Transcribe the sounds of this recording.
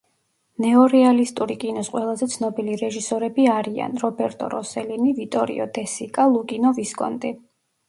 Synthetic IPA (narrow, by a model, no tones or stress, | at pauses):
nɛɔɾɛalist̪ʼuɾikʼinɔsqʼwɛlˠazɛt̪sʰnɔbiliɾɛʒisɔɾɛbiaɾia̰nɾɔbɛɾt̪ʼɔ̰ɾɔsɛlinivit̪ʼɔɾḭɔ̰d̪ɛsikʼalˠukʼinɔviskʼɔ̰nt̪ʼi